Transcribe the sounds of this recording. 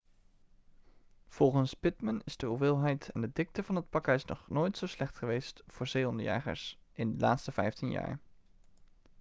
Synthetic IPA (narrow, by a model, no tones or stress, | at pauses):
v̥ɔlˠχənspɪtmənɪz̥dəuvɪːlˠɦɛjtʰɛndədɪk̚təvɑnɦət̚pɑkəɪsnɔ̰χnojtsowslɛχtχəʋejstv̥ʊːɹzejɔndəja̰ːχə̰ɹsɪndəlaːtstəv̥ɛjftinja̰ːɹ